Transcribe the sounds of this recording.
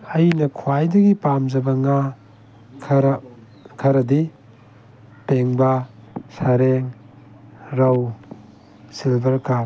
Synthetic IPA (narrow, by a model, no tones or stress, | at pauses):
ɐjnɐkʰuajdɐɡipamd͡ʒɐbɐŋa | kʰɾ | kʰɐɾɐdi | peŋbɐsaɾeŋ | ɾɐw | silbɐɾka